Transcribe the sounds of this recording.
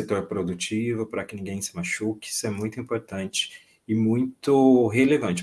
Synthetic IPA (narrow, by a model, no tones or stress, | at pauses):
et̪oɾpɾod̪ut͡ʃivʊpɾɐkɪnĩŋɡẽj̃sɪmaʃukɪ̥i̥sʊɛmũj̃t̪ʊĩmpoɾt̪ɐ̃nt͡ʃɪ̥ | ɪmũj̃t̪ʊɦelevɐ̃nt͡ʃɪ